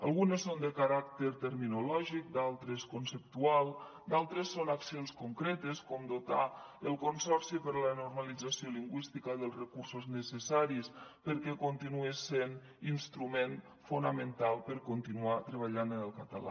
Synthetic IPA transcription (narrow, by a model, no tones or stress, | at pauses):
alˠɣunesːond̪əkaɾakt̪eɾt̪əɾminulɔʒik̚d̪alˠt̪ɾeskonsəp̚t̪ualˠ | d̪alˠt̪ɾesːonaksionskoŋkɾɛt̪eskɔmd̪ot̪a̰əlˠkonsɔɾsipəɾlənoɾməlid͡zasioliŋɡwist̪ikəðəlˠzrəkuɾsoznəsəsaɾispəɾkɛkont̪inuesen | inst̪ɾumen | funəmənt̪alˠpəɾkont̪inuat̪ɾəβ̞aʎanənəlˠkət̪əla̰